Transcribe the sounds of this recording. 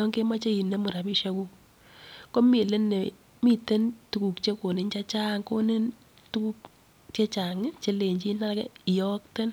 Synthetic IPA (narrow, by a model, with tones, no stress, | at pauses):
ɔ˦ŋke˦ma˦t͡ʃe˦i˨ne˦mu˨ɾa˨pi˦ʃa˦ku˦k | ko˦mi˨le˦nːe˨ | mi˦te˦ntu˨ku˨kt͡ʃe˦ko˨nɪ˨˦nt͡ʃa˦t͡ʃaː˦ŋko˦ne˦n | tu˦ku˦k | t͡ʃe˦t͡ʃa˨ŋɪ˦t͡ʃe˦le˨ɲt͡ʃi˦na˦la˦kɛ˦˨jɔ˦k̚te˦n